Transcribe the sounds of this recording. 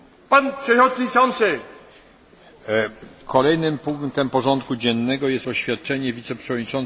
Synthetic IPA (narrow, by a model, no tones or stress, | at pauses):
panpʂɛxɔt̪sisɔnsɘ | kʰɔlɛjnɘmpuŋkt̪ɛmpɔʐɔnt̪kud͡ʑɛnːɛɡɔjɛst̪ɔɕfʲjat̪̚t͡ʂɛɲɛvʲit̪sɛpʂɛvɔd̪ɲit͡ʂɔn